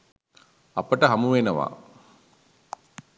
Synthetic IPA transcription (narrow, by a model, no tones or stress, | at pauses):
apəʈəɦɐmuʋenəʋa̰ː